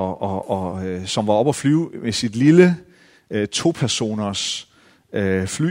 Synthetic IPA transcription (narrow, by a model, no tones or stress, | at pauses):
ɒɒsɒ̽mʋɑ̈ɒ̽b̥ɒflyːʊmesid̥lilə | t͡sʰo̝ːpʰæɐso̝̰ːnɐs | øfly̰